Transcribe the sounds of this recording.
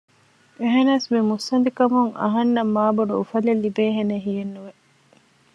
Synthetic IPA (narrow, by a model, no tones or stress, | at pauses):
eɦenaːsmimusːɐnd̪ikɐmuŋɐ̰ɦɐnːɐmːaːboɖuufɐlelːibeːɦeneɦijenːuʋe